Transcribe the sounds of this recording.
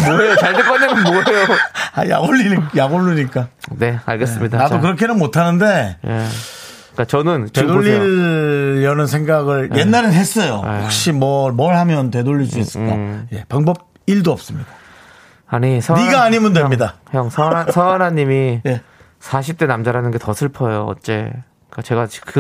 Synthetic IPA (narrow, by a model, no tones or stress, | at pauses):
mʌejot͡ɕaɭdɯp͈ʌnːemɯnmoejoaja̰ɡoɭːijaɡoɭːuɲik͈anea̰ɭɡes͈ɯmɲidanadok̬ɯɾʌkʰenɯnmotʰanɯnde̞j̰ | k͈at͡ɕʌnɯntedoʎːiː | ʌnɯnsʰe̞ŋɡaɡɯɭjʔe̞nːaɾenɦe̞s͈ʌjo̰wak̚ɕ͈imwʌmʌɭhamjʌnte̞doʎːiɭs͈uis͈ɯk͈a̰je̞paŋbʌb̚ | iɭdoʌp̚s͈ɯmɲid̥a | aɲisʰʌniɡaːɲimɯndwemɲidahjʌŋsʌasʰʌanaɲːimije̞ | sʰaɕʰip̚t͈e̞namd͡ʑaɾanɯnɡe̞tʌsʰɯɭpʰʌjoʌ̰t̚t͡ɕ͈e̞ | k͈at͡ɕe̞ɡat͡ɕkɯ